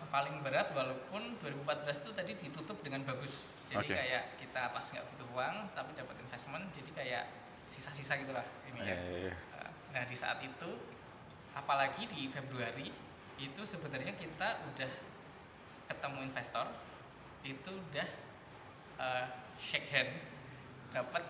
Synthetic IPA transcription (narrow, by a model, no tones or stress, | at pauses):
palɪŋbəɾat̪̚walawpʊnduaɾibumpat̪̚bəlast̪ut̪adidit̪ut̪ʊp̚dəŋanbaɡʊs | d͡ʒaodikkajaʔkit̪aːp̪asŋɡa̰ʔbut̪ʊhuaŋt̪apidapat̪infɛsmənd͡ʒadikaja̰ʔ | sisasisaɡit̪ulah | inia̰ə̰ | nahdisa̰ʔa̰t̪it̪u | ʔapalaɡidifebɾuaɾi | it̪usəbənarɲakit̪aʔudah | kət̪əmuinfɛst̪ɔr | it̪uːdah | ʔə | ʃɛkɦɛn | d̥apət̪̚